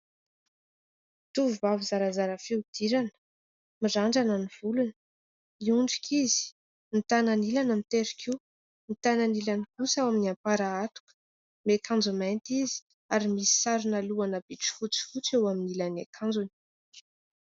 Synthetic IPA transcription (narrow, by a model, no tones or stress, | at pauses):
t̪uvuvavizaɾazaɾəfiud̪̥iɾanə̥ | mizaɳɖ͡ʐanəniv̥ulunə | iuɳɖ͡ʐikʰizi̥ | nit̪ananilanamit̪eɾkʰʲi | nit̪ananilanikusawaminiampaɾaat̪u̥kə̥ | mekʰãnd͡zumajnt̪izi̥ | aɾimisi̥saɾunaluanəb̥iʈ͡ʂi̥fut͡si̥fut͡sewaminilanekʰãnd͡zuni̥